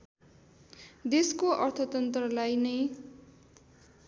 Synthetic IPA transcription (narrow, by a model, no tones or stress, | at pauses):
d̪eskoʔʌrt̪ʰʌt̪ʌnt̪rʌlajnʌj